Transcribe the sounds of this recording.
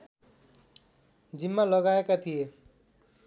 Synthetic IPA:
d͡ʒimːalʌɡaekat̪ʰije

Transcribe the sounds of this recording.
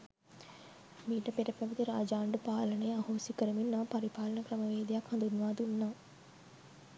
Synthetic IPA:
miːʈəpeʈəpɐʋit̪iɾaːd͡ʒaːɳɖupaːlənejahoːsikəɾəminːɐpaɾipaːlənəkɾəməʋeːd̪ijakhɐnd̪unʋaːd̪unːaː

